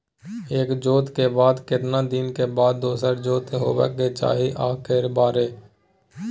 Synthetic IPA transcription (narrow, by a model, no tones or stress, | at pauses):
eːkd͡ʒoːt̪keːbaːd̪kɪt̪nãːd̪inkeːbaːd̪ːoːsəɾd͡ʒoːt̪eɦo̰ːʋḛːkeːt͡ʃa̰ːɦiʔaːkeːɾbaːɾeː